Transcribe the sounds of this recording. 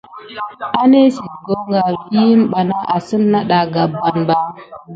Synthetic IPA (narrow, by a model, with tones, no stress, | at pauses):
a˦ne˦si˨ɡo˦ŋɡa˨vi˦ji˦m˦ɓa˨na˦ʔa˨sɨ˦nːa˦ɗa˨ɡa˨bːa˨nba˦